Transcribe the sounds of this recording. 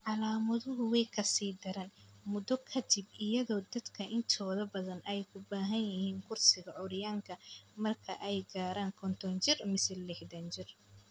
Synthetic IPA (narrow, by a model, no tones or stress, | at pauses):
ʕɑlaːmɐðʊɦʊwɛjkʰɐsiːd̪ɪɾɐnmʊd̪ɔkʰɐd̪ɪb̚ɪjɐðɔːd̪ɐd̪kʰɐʔɪnt̪ʰɔːðɐbɐðɐnɛjkʰʊbaːɦɐnjɪhiːŋkʰʊrsɪɣɐʕʊɾɪjaːŋkʰɐmɐrkʰɐʔɛjɡaːɾaːŋkʰɔnt̪ʰɔnt͡ʃɪrmɪsɛlɛħd̪ɐnt͡ʃɪr